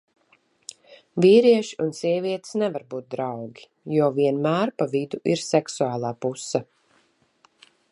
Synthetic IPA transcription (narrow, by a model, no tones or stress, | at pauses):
viːɾiɛʃi̥unsiɛviɛt̪snɛvaɾbuːt̪̚d̪ɾawɡʲi̥ | juɔviɛnmæːɾpavid̪uʔiɾsɛksuaːlˠaːpusːa